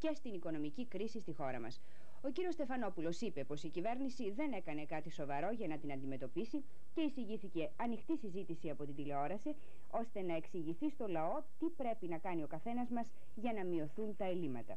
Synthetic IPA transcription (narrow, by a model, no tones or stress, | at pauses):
ce̞st̪iniko̞no̞micikɾisist̪ixo̞ɾɐ̰mɐ̰s | o̞ciɾio̞st̪e̞fɐno̞pulo̞sipe̞po̞sicive̞ɾnisiðe̞ne̞kɐne̞kɐt̪iso̞vɐɾo̞ʝɐnɐt̪inɐnd̪ime̞t̪o̞pisi | ce̞isiʝiθice̞ɐnixt̪isizit̪isiɐpo̞t̪ind̪ile̞o̞ɾɐse | o̞st̪e̞nɐe̞ksiʝiθist̪o̞lɐo̞t̪ipɾe̞pinɐkɐnio̞kɐθe̞nɐzmɐz | ʝɐnɐmio̞θunt̪ɐe̞limɐt̪ɐ̰